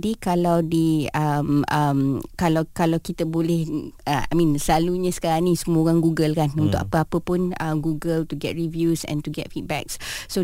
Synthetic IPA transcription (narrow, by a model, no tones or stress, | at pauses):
dikalawdiəməmkalawkalawkit̪əbolɛhəamĩnsəlaluɲãsə̥kaɾaŋnisəmuoɾaŋɡuɡəlkanũnt̪ʊkapəapəpʊnəmɡuɡəlt̪uɡɛt̚ɹivjusɛ̰̃nt̪uɡɛ̰t̚fit̪̚bɛ̰k̚sso